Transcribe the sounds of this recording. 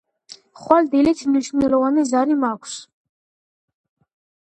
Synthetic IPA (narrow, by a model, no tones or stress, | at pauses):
χwald̪ilit͡ʃʰniʃumɛlɔvanizaɾimakʷʰs